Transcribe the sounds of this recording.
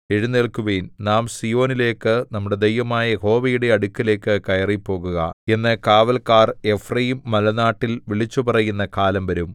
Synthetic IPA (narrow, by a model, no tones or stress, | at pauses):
eɻunːeɭkuʋeːnnaːmsijo̞ːnile̞ːkːɨnɐmːuɽe̞d̪ejʋɐmaːjɐho̞ːʋɐjuɽe̞ɐɽukʲːile̞ːkːɨkɐjɐripːo̞ːɣuɣɐ̰e̞nːɨkaːʋɐlkaːre̞frɐjimːɐlɐnaːʈːilʋiɭit͡ɕːupɐrɐjunːɐkaːlɐmʋɐɾum